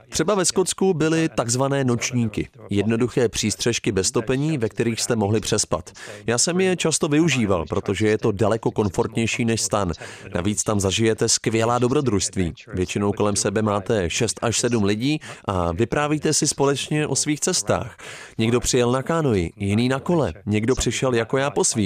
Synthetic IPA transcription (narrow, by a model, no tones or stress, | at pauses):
t̪r̝̥ɛbavɛsko̞tt͡skubɪlɪt̪aɡzvanɛːno̞t͡ʃɲiːkɪ̰jɛdno̞duxɛːpr̝̥iːst̪r̥ɛʃkɪbɛst̪o̞pɛɲiːvɛk̚t̪ɛɾiːxst̪ɛmo̞ɦlɪpr̝̥ɛspa̰t̪jaːsɛmjɛt͡ʃast̪o̞vɪuʒiːva̰lpɾo̞t̪o̞ʒɛjɛt̪o̞dalɛko̞ko̞nfo̞ɾt̪ɲɛjʃiːnɛʃst̪anːa̰viːt͡st̪amzaʒɪjɛt̪ɛskvɪjɛlaːdo̞bɾo̞d̪ɾuʃst̪viːvjɛt͡ʃɪnowko̞lɛmsɛbɛmaːt̪ɛʃɛst̪aʃsɛdumlɪɟiːʔavɪpɾaːviːt̪ɛsɪspo̞lɛt͡ʃɲɛʔo̞sviːxt͡sɛst̪a̰ːxɲɛɡdo̞pr̝̥ɪjɛlnakaːno̞jɪjɪniːnako̞lɛɲɛɡdo̞pr̝̥ɪʃɛljako̞jaːpo̞sviː